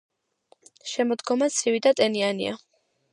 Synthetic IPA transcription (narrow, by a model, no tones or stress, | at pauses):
ʃɛmɔd̪ɡɔmat̪sʰivid̪at̪ʼɛnianḭa